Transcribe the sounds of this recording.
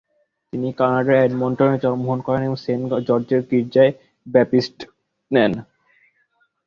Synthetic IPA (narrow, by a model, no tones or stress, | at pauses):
t̪inikanaɖaɾɛɖmɔɳʈoned͡ʑɔɾmoɦonkɔɾeneboŋsend͡ʑɔɾd͡ʑeɾkiɾd͡ʑae | bɛpisʈ | nɛn